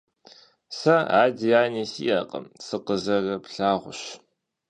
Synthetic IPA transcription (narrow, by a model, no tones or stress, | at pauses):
sɐaːdiaːnisḭʔɐ̰qʼɐ̰msɨqəzɐrɐpɬaːʁʷʊɕ